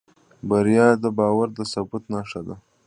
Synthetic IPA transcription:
baɾjɑːd̪əbɑːwaɾd̪əsabut̪nɑʂad̪a

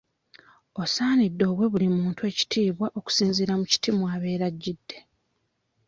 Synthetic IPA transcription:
o̞saːnidːo̞ːβwe̞βulimuːntue̞ːci̥tʰiːβwaʔo̞ku̥siːnziɾamuci̥tʰimwaːβe̞ːɾaɟːidːe̞

